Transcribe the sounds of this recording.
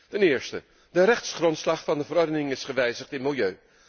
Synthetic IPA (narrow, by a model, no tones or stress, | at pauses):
tɛnɪːɹstə̰ | dərɛχtsχrɔntslɑχfɑndəvəɾɔɹdənɪŋɪsχəʋɛjzəχtɪnmɪlˠjøɥ